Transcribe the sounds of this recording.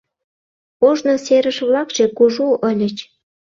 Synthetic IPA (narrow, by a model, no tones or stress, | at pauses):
oʒnoseɾəʃβlɑkʒ̥ekuʒuʔəlʲə̆t͡ɕ